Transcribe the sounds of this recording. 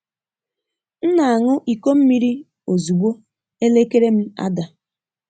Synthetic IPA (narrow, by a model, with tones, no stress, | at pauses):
n̩˦na˨a˨ŋʊ˦ʔi˨ko˦m̩˦mi˦ɾi˦ | o˨zu˨ɡ͡bʷo˦ | e˦le˦ke˦ɾe˦m̩˦a̰˦da˨